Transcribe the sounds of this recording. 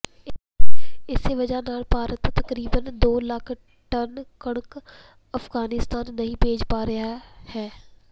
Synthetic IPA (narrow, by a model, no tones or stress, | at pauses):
ɪseʋɐd͡ʒanaːlpaːɾət̪ːɐkɾiːbənd̪oːləkʰ | ʈɐnkɐɽ̃ək | ɐfɡaːnɪst̪aːnːɐɦĩbʱeːd͡ʒpaːɾɐɦahɛː